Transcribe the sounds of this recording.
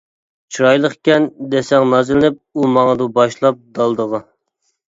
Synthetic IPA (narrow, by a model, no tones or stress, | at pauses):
t͡ʃʰuɾɑjlˠəχkʲɛnd̪esɛŋnɑzlɪnɪp̚umɑŋəd̪ubɑʃlˠɑp̚d̪ɑlˠd̪əʁɑ